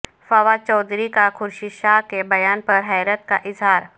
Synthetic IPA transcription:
fɐʋat͡ʃɔːd̪ʱɾikakʰʊɾʃiʃaːɦkebɐjaːnpɐɾɦɛːɾət̪̚ka̰ʔɪzɦaːɾ

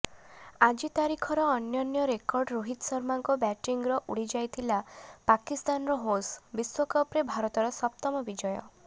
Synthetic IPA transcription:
ad͡ʒit̪aɾikʰɔɾɔːnjɔnjɔɾekɔɾɖɾoɦit̪sɔɾmaŋkɔbɛʈiŋɡɾɔʔuɽid͡ʒajt̪ʰilapakist̪anɔɾɔɦosbiswɔkɔpɾebʱaɾɔt̪ɔɾɔsɔp̚t̪ɔmɔbid͡ʒɔjɔ̰

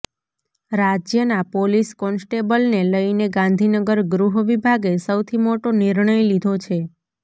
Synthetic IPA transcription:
ɾad͡ʒjənapoliskɔnsʈebəlneləineɡãnd̪ʱinəɡəɾɡɾuɦəʋibʱaɡesəwt̪ʰimoʈoniɾɳəjlid̪ʱot͡ʃʰe

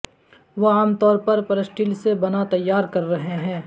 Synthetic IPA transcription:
ʋoaːmt̪ɔːɾpɐɾpɐɾəsʈiːlsebɐnat̪ɐjːaːɾkɐɾːɐɦeɦɛ̃ː

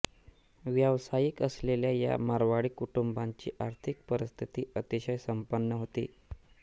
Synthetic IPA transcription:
ʋjaʋsajikəsleljaja̰maɾʋaɽiːkuʈumbaɲt͡ɕḭːʔaɾt̪ʰik̚pəɾəst̪ʰit̪iːʔət̪iɕəjsəmpənːəɦot̪ḭː

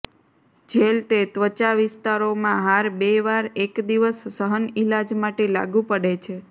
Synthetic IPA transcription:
d͡ʒelt̪et̪ʋət͡ʃaʋɪst̪aɾomãɦaɾbeʋaɾekd̪iʋəsːəɦənilad͡ʒmaʈela̰ɡũpəɽet͡ʃʰe

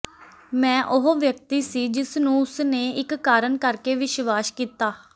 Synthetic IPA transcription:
mɛ̃ːʔʊɦoːʋjək̚t̪iːsiːd͡ʒɪsnũːʊsneːɪkːaːɾəɳkəɾkeːʋɪʃʋaːʃkiːt̪aː

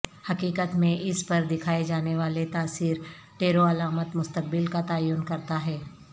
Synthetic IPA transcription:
hɐkiːkət̪mẽʔɪspɐɾd̪ɪkʰaːed͡ʒaːneʋaːlet̪aːsiːɾ | ʈeːɾoɐlaːmət̪mʊst̪ək̚bɪlkat̪aːjunkɐɾt̪aɦɛː

